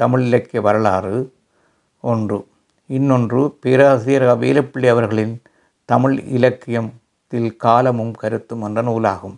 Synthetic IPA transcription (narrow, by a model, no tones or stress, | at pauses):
t̪ɐmɪɭɪlɐkːɪjɐʋɐɾɐɭaːrɯ | ʔɔndrɯ | ɪnːɔndrɯpeːɾaːsɪjɐɾɣaʋḛːlɐpːɪɭːɪjɐʋɐɾɣɐɭɪn | t̪ɐmɪɭɪ̰lɐkːɪjɐm | t̪ɪlkaːlɐmɯmkɐɾɯt̪ːɯmɛndrɐnuːlaːɣɯm